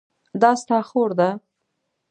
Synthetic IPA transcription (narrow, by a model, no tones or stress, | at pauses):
d̪ɑst̪ɑxoɾd̪a